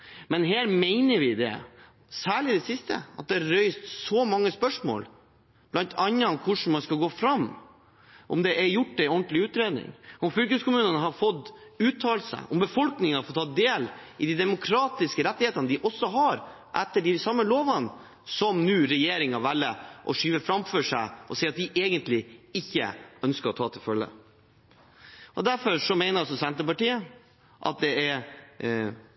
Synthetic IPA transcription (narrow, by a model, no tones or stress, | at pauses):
mɛnɦeːɾmɛɪnəɾʋɪd̪ɛ̰ | sæːɭɪd̪ɛsɪst̪ə̰ʔɑ̰t̪̚d̪ɛɑɾœʏst̪sɔmɑŋːəspœʂmo̰ːl | b̥lɑnt̪ʰɑnːəɔkʰʊʂɳ̩mɑnskɑlɡoːfɾɑmː | ʔɔ̰md̪ɛʔɛɾjʊʈːɛɔnt̪lɪʉːt̪ɾeːd̪nɪ̰ŋɔmfʏlkəskʊmʉːnənəɦɑɾfɔt̪ːʉːt̪ʰːɑːlsə̰ɔmbəfɔlknɪŋəɑɾfɔt̪ʰɑːd̪eːlɪd̪id̪ɛmʊkʰɾɑːt̪ɪskəɾɛt̪ːɪheːt̪ɑnəd̪ɪʔɔsːɔɦɑɾ | ʔɛt̪ːəɖɪsɑmːəloːʋɑn | sɔmnʉːɾɛjeːɾɪŋɑʋɛlːəʔɔʂyːʋəfɾɑmfɔʂæɪʔɔsɛɪɑt̪̚d̪ɪʔeːɡənt̪lɪɪçːə̰œnskəɾɔt̪ʰɑ̰ːt̪ʰɪlfœlːə̰ | ʔɔd̪æɾfɔɾʂɔmɛɪnəɾɔs̬ɔsɛnt̪əpɑʈiːə | ʔɑ̰t̪̚d̪ɛɛɾ